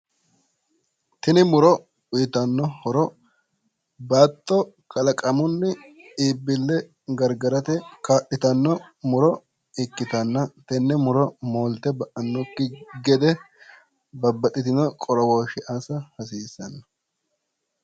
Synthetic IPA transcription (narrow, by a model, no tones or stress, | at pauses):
t̪ɪnɪmʊɾɔ | ʊjɪt̪ɐnːɔhɔɾɔ | baːt̪ːɔ | kʰɐlɐkʼɐmʊnːɪ | iːbːɪlːɛ | ɡɐɾɡɐɾɐt̪ɛkaːʔɪt̪ɐnːɔmʊɾɔ | ɪkːɪt̪ɐnːɐt̪ɛnːɛmʊɾɔmoːlt̪ɛbɐʔɐnːɔkːɪɡɛd̪ɛ | bɐbːɐɗɪt̪ɪnɔkʼɔɾɔwoːʃɪʔaːsɐhɐs̬iːsːɐnːɐ̥